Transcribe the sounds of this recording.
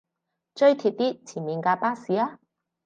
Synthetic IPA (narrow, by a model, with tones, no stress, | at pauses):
t͡ʃɵ˥ɥt̪ʰiː˧p̚t̪iː˥t͡sʰiː˨˩nmiː˨˧nkaː˧paː˥siː˨aː˥